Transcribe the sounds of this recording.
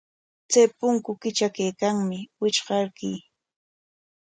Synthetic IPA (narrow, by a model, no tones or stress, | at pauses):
t͡sajpʊŋkʊkɪt͡ʃakajkaŋmɪwɪt͡ʃɢɑɾkij